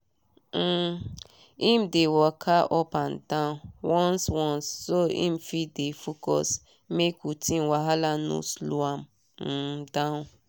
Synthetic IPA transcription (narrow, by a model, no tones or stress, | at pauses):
im̩dewɔkʰaʔɔpan̩tãwɔ̃nswɔ̃nssoḭm̩fidefokɔ̰s | mekʰutĩnwaɦalanṵsluam | n̩dã